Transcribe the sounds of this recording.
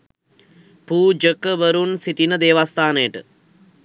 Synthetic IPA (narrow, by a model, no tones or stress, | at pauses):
puːd͡ʒəkːəʋɐɾunsiʈ̪inəd̪eːʋaːst̪ʰaːneːʈɨ